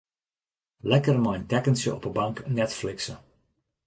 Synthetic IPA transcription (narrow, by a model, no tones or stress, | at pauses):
lɛkərmɔjntɛkənsjə̰ʔɔ̰pəbɑŋknɛtflɪksə